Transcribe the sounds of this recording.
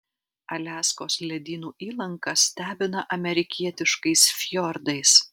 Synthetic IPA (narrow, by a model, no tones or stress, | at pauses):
ɐlʲæːskoːslʲɛd̪ʲiːnuːʔiːlˠɐŋkɐsʲt̪ʲæːbʲɪnɐʔɐmʲɛɾʲɪkʲiɛt̪ʲɪʃkɐɪsfʲjɔɾd̪ɐɪs